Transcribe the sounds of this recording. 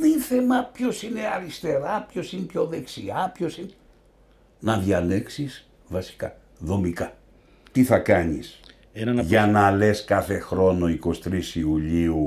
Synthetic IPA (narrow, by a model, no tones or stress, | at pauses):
ðinθemɐpço̞sine̞ɐɾist̪e̞ɾɐpço̞sinepçoðe̞ksiɐpço̞sine | nɐðʝɐle̞ksis | vɐsi̥kɐ̰ | ðo̞mikɐ | t̪iθɐkɐɲḭs | enɐnɐʝɐnɐle̞skɐθe̞xɾo̞no̞iko̞st̪ɾisiuʎiu